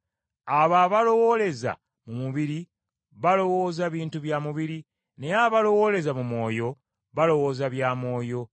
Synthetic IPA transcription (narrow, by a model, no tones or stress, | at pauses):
aβaːβalo̞wo̞le̞za̰ | mumuβiɾi | βalo̞wo̞ːzaβiːntuβjaːmuβiɾi | ne̞aβalo̞wo̞ːle̞zamumo̞ːjo̞ | βalo̞wo̞ːzaβjaːmo̞ːjo̞